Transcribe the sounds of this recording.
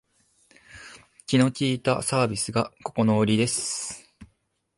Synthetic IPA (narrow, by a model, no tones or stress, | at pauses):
kʲino̞kʲiːt̪a̰saːbʲisɨɡako̞ko̞no̞ɾʲid̪e̞sɨ̥